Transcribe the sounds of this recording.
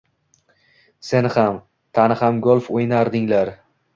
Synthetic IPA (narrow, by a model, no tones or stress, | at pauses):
se̞nχam | t̪ʰanɪhamɡolˠfojnaɾd̪ɪŋlaɾ